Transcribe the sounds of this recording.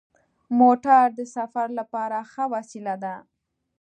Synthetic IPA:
moʈaɾd̪əsafaɾlapɑɾaxəwasilad̪a

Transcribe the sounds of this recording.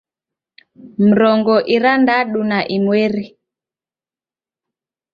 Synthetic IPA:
m̩ɾɔŋɡɔʔiɾandaɗunaʔimwɛɾi

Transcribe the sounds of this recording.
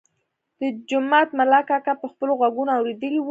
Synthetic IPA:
d̪̥əd͡ʒʊmat̪malakakapəxpəloɣaɡunoawɾed̪əliw

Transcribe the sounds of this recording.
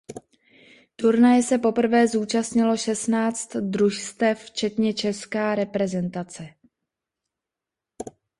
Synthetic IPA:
t̪uɾnajɛsɛpo̞pr̩vɛːzuːt͡ʃast̪ɲɪlo̞ʃɛsnaːt͡st̪d̪ɾuʃst̪ɛft͡ʃɛt̪ɲɛt͡ʃɛskaːɾɛpɾɛzɛnt̪at͡sɛ

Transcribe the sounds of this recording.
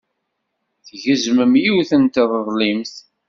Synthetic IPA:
θʝəzməmjiwθənt̪ðˤəðˤlimθ

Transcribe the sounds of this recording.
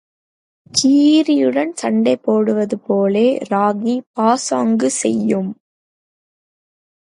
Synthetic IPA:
t͡ʃiːɾɪjɯɽɐnsɐɳɖɐɪpːoːɽɯʋɐðɯpoːleːɾaːɣipaːsaːŋɡɯsɛ̰jːɯm

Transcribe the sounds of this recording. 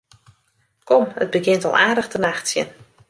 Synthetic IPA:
kɔmə̰d̚bəɡɪntɔ̰lˠʔaːdəxtənaxtsjə̰n

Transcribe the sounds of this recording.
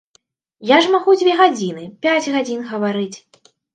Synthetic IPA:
jaʐmaɣud͡zʲvʲɛɣad͡zʲinɨpʲad͡zʲɣad͡zʲinɣɐvaɾɨt͡sʲ

